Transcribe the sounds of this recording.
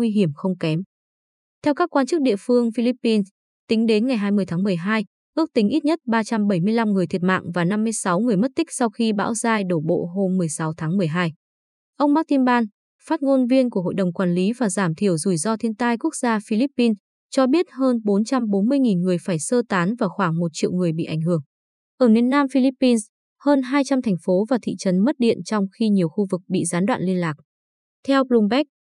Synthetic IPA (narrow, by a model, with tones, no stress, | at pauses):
wi˧ɦi˧˩əmxə˧wŋ͡mkɛ˨˦m | t̪ʰɛ˧wkaː˦˥kːwaː˧nt͡ɕɨ˦˥k̚ɗḭ˧˨əfɨ˧əŋfi˧li˦˥pːi˧n | t̪ï˨˦ŋ̟ɗe˨˦nŋa˨˩jɦaː˧jmɨ˧˩əjt̪ʰaː˨˦ŋmɨ˨˩əjɦaː˧j | ʔɨ˦˥ək̚t̪ï˨˦ŋ̟ʔi˦˥t̚ɲə˦˥t̚ɓaː˧t͡ɕa˧mɓə˧˩jmɨ˧əjla˧mŋɨ˨˩əjt̪ʰi˨˩ət̚ma̰ː˧˨ŋvaː˨˩na˧mːɨ˧əjsa˨˦wŋɨ˨˩əjmə˦˥t̚t̪ï˦˥k̚sa˧wxi˧ɓa̰ː˧˥wzaː˧jɗo˧˩ɓo̰˧˨ɦo˧mːɨ˨˩əjsa˨˦wt̪ʰaː˨˦ŋmɨ˨˩əjɦaː˧j | ʔə˧wŋ͡mɓaː˦˥k̚t̪i˧nɓaː˧n | faː˦˥t̚ŋo˧nvi˧ənku˧˩əɦo̰˧˨jɗə˨˩wŋ͡mkwaː˨˩nli˨˦vaː˨˩zaː˧˩mt̪ʰi˧˩əwzu˧˩jzɔ˧t̪ʰi˧ənt̪aː˧jku˦˥ək̚z̥aː˧fi˧li˦˥pːi˧n | t͡ɕɔ˧ɓi˦˥ət̚həː˧nɓo˨˦nt͡ɕa˧mɓo˨˦nmɨ˧əjŋi˨˩nŋɨ˨˩əjfaː˧˩jsəː˧t̪aː˨˦nvaː˨˩xwaː˧˩ŋmo˨˩t̚t͡ɕḭ˧˨wŋɨ˨˩əjɓḭ˧˨ʔa˧˩ŋ̟ɦɨ˧˩əŋ | ʔəː˧˩mi˧˩ənːaː˧mfi˧li˦˥pːi˧ns | həː˧nɦaː˧jt͡ɕa˧mt̪ʰɛ˨˩jŋ̟fo˨˦vaː˨˩t̪ʰḭ˧˨t͡ɕə˨˦nmə˦˥t̚ɗḭ˧˨ənt͡ɕɔ˧wŋ͡mxi˧ɲi˨˩əwxu˧vɨ˨˩k̚ɓḭ˧˨zaː˨˦nɗwa̰ː˧˨nli˧ənlaː˨˩k̚ | t̪ʰɛ˧wblu˧mɓɛ˦˥k̚